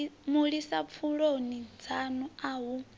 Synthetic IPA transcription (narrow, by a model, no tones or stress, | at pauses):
muɺisap̪fʰuɺonid͡zanuaːɦu